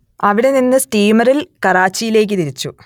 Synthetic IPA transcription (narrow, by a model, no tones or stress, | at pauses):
ɐʋiɽe̞ninːɨsʈiːmɐrilkɐraːt͡ɕːijile̞ːk̬ʲːɨt̪iɾit͡ɕːu